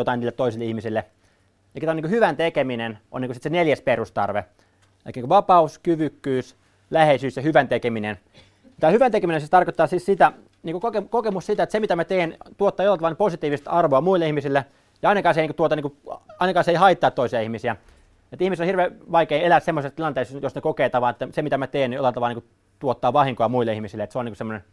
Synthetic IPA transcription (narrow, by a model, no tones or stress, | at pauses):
jot̪ɑiniːlːˑet̪toisilːeihmisilːe | ɑikt̪æniŋkuhyʋænt̪ekeminenʔo̰nːiːksit̪seneljæsperust̪ɑ̰rʋḛ | elikːæiːkuʋɑpɑuskyʋykːyːs | læheisyːsjɑhyʋænt̪ekeminen | t̪æːhyʋænt̪ekeminensist̪ɑrkot̪ːɑːsissit̪æ | niːŋkokokekokemussit̪æet̪semit̪æmæt̪eːnt̪uot̪ːɑːjolːɑt̪ɑlniposit̪iːʋist̪ɑrʋoɑmuilːˑeihmisilːe | jɑɑinɑkɑːseiniŋkut̪uot̪ɑniŋkuɑinɑkɑːseihɑit̪ːˑɑːˑt̪toisiɑihmisiæ | et̪ːihmist̪onhirʋeːʋɑikeːelæssemːosest̪ilɑnt̪eˑisjosnekokeːt̪ɑʋɑːet̪ːæsemit̪æmæt̪eːnːjolːɑt̪ɑʋɑlɑniːku | t̪uot̪ːɑːʋɑhiŋkoɑmuilːeihmisilet̪seoniŋkusemːonen